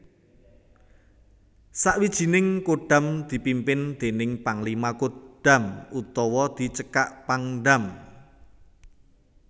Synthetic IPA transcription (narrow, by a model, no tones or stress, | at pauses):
saʔwid̥ʒ̥i̤nɪŋkoɖ̥a̤md̪̥i̤pimpɪnd̪̥e̤nɪŋpaŋlimakoɖ̥a̤mʔut̪ɔwɔd̪̥i̤t͡ʃəkaʔpaŋɖam